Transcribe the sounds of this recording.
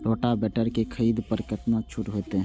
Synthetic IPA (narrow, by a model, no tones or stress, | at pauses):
ɾoːʈabɛːʈəɾkekʰəiːd̪pəɾkəʈnat͡ʃʰʊʈɦoːt̪eɦ